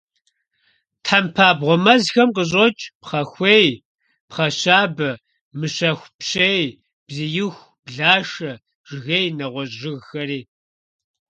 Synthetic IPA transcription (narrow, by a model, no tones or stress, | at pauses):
tʰħampʰaːbʁʷɔmɐzxɐmqəɕ̬ʼɐt͡ʃʼpχɐxʷeːj | pχɐɕaːbɐ | mɨɕɐxʷpɕej | bzɨjɪxʷ | b̥ɮaːʂɐ | ʐ̥ɨɣejnɐʁʷɔɕʒɨɣxɐɾiː